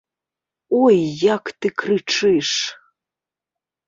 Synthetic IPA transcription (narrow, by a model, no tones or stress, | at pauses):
ɔjːakt̪ɨkrɨt͡ʂʰɨʂ